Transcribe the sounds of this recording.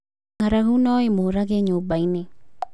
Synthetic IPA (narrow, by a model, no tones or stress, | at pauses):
ŋaɾaɦunoimoɾaɡeɲobajne